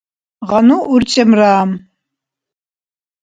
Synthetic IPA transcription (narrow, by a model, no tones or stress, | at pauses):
ʁɑnuʔurt͡ʃʼɐmraːm